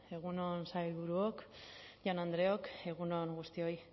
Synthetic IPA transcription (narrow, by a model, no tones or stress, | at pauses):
e̞ɣ̞uno̞nsajlβuɾuokʝanand̪ɾe̞oke̞ɣ̞uno̞ŋɡust̪io̞j